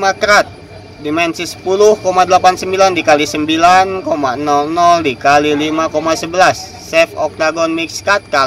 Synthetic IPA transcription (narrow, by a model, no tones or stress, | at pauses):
makɾat̪̚ | dimɛnsisə̥pulʊhkomadəlapansəmbilandikalisəmbilankomanɔlnɔldikalilimakomasəbəlasːɛfɔk̚taɡɔnmikskat̪̚kal